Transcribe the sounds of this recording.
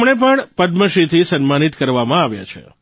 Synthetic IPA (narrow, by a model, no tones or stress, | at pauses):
mɳep̬əɳpəd̪məʃit̪ʰisənmanit̪kəɾʋamãaʋja̰t͡ʃʰḛ